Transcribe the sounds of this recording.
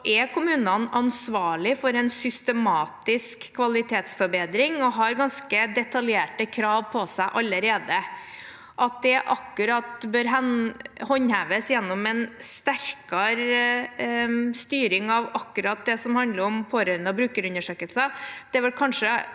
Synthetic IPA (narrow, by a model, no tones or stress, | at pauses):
ʔɛkʊmʉːnɑnɑnsʋɑːɭɪfɔɾɛnsʏst̪əmɑːt̪ɪskʰːʋɑlɪt̪ʰeːt̪sfɔɾbeːd̪ɾɪŋɔɦɑɾɡɑnskəd̪ɛt̪ʰɑljeːʈəkʰɾɑːʋpʰɔsæɪʔɑlːəɾeːd̪ə | ʔɑt̪̚d̪ɛʔɑkːʉɾɑt̪bøːɾɦɛnhɔɲhæːʋəsjɛnːɔmɛnst̪æɾkɑɾ | st̪yːɾɪŋɑʋɑkːʉɾɑt̪̚d̪ɛsɔmhɑnd̪ləɾɔmpʰoːɾœnɔbɾʉːkəɾʉnːəʂøːkəlsəd̪̥ɛʋɛlkʰɑnʂə